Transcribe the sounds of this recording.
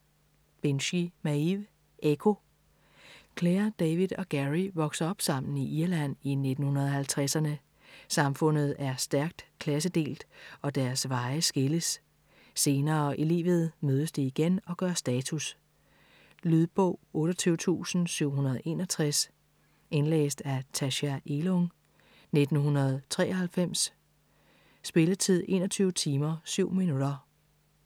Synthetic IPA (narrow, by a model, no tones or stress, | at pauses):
b̥enɕimæiʋ | ʔekʰo̝ | kʰleɐd̥ɛʋiðˠɒ̽ɡ̥æʁiʋɒ̽ɡ̥sɐɒ̽b̥sɑ̈m̰n̩iʔiɐlæn̰ine̝d̥n̩hunɐð̞ˠɒ̽hælt͡sʰʁasɐnə | sɑ̈mfɔ̽n̰ð̞̩ˠæɐsd̥æɐɡ̥̚d̥kʰlæs̬əd̥e̝̰ːld̥ɒ̽d̥æɐsʋɑ̈ɪəsɡ̥eləsː | e̝ːnɐːʔile̝̰ːʋð̞̩ˠmøːð̞ˠəsd̥iiɡ̥enɒ̽ɡ̥ɶɐsd̥ɛːt͡sʰus | lyð̞ˠb̥ɔ̰ʊɔ̽ːɾɒt͡sʰyːʊt͡sʰṵːsn̩syʊ̰hunɐðˠʔe̝ːnɒ̽t͡sʰʁas | e̝nlḛːsd̥æt͡sʰæɕæʔelɔŋ | ne̝d̥n̩ɦunɐð̞ˠt͡sʰʁɛ̰ːɐhælfem̰s | sb̥e̝lət͡sʰið̞̰ˠʔe̝̰ːnɒ̽t͡sʰyːʊət͡sʰiːmɐsyʊ̰minud̥ɐ